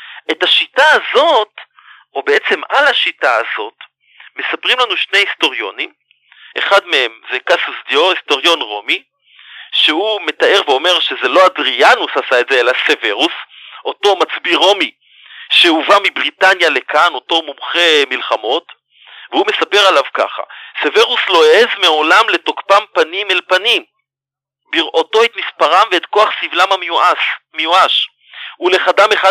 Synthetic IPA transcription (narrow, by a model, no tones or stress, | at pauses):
e̞taʃitaːzo̞t | obeet͡se̞malaʃitaazo̞t | me̞sapʁimlanuʃne̞jhisto̞ʁjo̞̰nim | ʔe̞̰χadme̞hemzekasusd̪joisto̞ʁjo̞nʁo̞mi | ʃehume̞taʔe̞ʁveo̞me̞ʁʃeze̞lo̞adʁianushasaetzeelaseveʁusʔo̞to̞mat͡sbiʁo̞mi | ʃeuvamibʁitanjale̞kano̞to̞mumχe̞milχamo̞t | vehume̞sape̞ʁalavka̰χa̰seve̞ʁusloeezmeo̞lamle̞tokpampanimelpanim | biʁʔo̞to̞etmispaʁamveetko̞aχsivlamamuasmejuaʃ | ule̞χadameχa